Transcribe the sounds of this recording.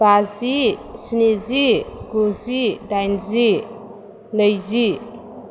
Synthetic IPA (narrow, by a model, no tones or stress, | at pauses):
bazisiniziɡuzidajnzi | nəjzi